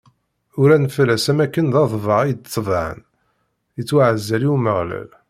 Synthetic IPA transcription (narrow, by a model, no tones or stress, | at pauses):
ʊɾænflæsæmækːənðɑðˤvəʁijd̪t͡sːˤvʕə̰n | ət͡sːwaʕəzːæliwməʁlæ̰l